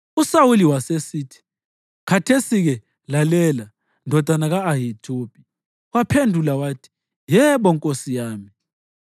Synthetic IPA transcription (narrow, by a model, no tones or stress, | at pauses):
usawuliwasesitʰi̥ | kʰatʰesiɣɛ | lalɛla | ndʱɔd̥ʱanaɣaːɦitʰʼoːpʼi | wapʰendʱulawaːtʰi̥ | jɛɓɔŋkʼosijaːmi